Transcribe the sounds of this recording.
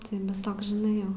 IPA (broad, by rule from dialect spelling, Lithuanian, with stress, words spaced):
ˈtɐɪ bʲɛt ˈtoːks ʒʲɪˈnɐɪ ˈjɛʊ